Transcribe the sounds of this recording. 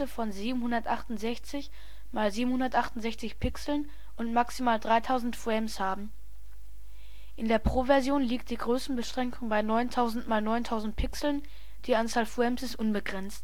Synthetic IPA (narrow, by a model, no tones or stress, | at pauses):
əfɔnziːbm̩hʊndɐtʔaχtʊntz̥ɛçt͡sɪç | maːlziːbm̩hʊndɐtʔaχtʊntz̥ɛçt͡sɪçpʰɪksl̩n | ʔʊntmaksimaːldʁaɪtʰaʊzn̩tfwɛmshaːbm̩ | ʔɪndeːɐpʁ̥ovɛɐzjoːnliːk̚t̚d̥iːɡʁøːsn̩bəʃʁ̥ɛŋkʊŋbaɪnɔʏntʰaʊzn̩tmaːlnɔʏntʰaʊzn̩t̚pʰɪksl̩n | d̥iːʔant͡saːlfwɛmsɪsʔʊnbəɡʁɛnt͡st